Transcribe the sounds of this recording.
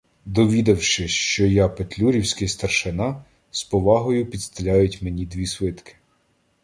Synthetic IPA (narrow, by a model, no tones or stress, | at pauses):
d̪ɔʋʲid̪ɐwʃɪʃt͡ʃɔjɑpet̪ʲlʲuɾʲiwsʲkɪjst̪ɐrʃɪnɑ | spɔʋɑɦɔjʊpʲid̪st̪ɪlʲajʊtʲmenʲid̪ʋʲisʋɪt̪kɪ̥